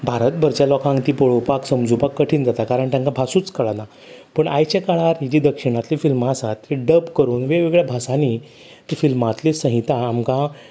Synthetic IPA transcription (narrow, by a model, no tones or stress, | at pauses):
bʱaɾət̪̚bʱəɾt͡ɕjalɔkʰãŋkt̪iːpoɭowpaksəmd͡zupakːəʈʰiːnd͡zat̪akaɾəɳt̪jãŋkabʱasuːt͡skəɭana | pəɳʔa̰jt͡ɕekaɭaɾid͡ʑiːd̪əkʂiɽ̃at̪lifilmaːsat̪iɖəbkəɾuːnʋeʋeɡɭjabʱasani | t̪ifilmat̪lisə̃ɦit̪aːmkã